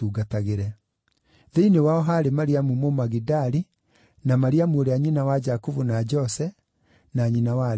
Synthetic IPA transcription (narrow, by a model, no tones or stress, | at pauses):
uɡataɣeɾɛ | ðeinewaɔɦaɾemaɾiamumomaɣidaɾi | namaɾiamuoɾeaɲinawad͡ʒakuvunad͡ʒɔsɛ | naɲinawa